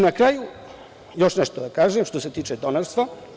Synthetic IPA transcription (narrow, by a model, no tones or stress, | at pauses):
nakɾaːju | jo̞ʃneʃt̪od̪akaːʒemʃt̪oset̪iːt͡ʃed̪onaɾst̪ʋa